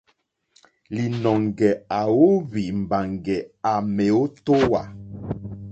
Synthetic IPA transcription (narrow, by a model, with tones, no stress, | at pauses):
li˨nɔ˨ŋɡɛ˨a˨wo˦βi˨m̩˨ba˨ŋɡɛ˨a˨mɛ˨o˦to˦wa˨